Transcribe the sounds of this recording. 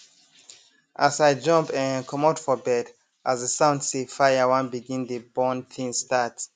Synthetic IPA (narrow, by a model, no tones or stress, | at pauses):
ʔasajd͡ʒʌ̃mpɛ̃nkʰɔ̃matfɔbɛd | ʔasəsãʊ̃ndsefajəwãnbiɡĩndəbɔ̃ntʰĩnstat